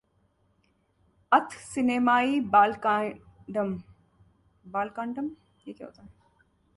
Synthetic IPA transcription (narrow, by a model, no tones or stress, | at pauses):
ɐt̪ʰsɪneːmaːibaːlkːɖəm | baːlkaːɳɖəm | jeːkja̰ɦo̰ːt̪aɦɛ